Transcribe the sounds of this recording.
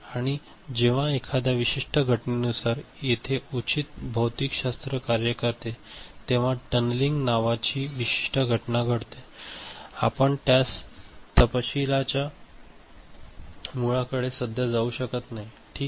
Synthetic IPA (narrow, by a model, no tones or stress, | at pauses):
aɽ̃i | d͡ʑeʋ̤ãekʰad̪jaʋiɕiʂʈəɡʱəʈnenusaɾjet̪ʰeut͡ɕit̪̚bʱəwt̪ikɕast̪ɾəkaɾjəkəɾt̪et̪eʋ̤aʈənliŋɡnaʋat͡ɕiːʋiɕi̥ʂʈəɡʱəʈnaɡʱəɽt̪e | apəɳt̪jast̪əpəɕilat͡ɕja | muɭakəɽesəd̪ʱjad͡zauɕəkət̪naɦi | ʈʰiːk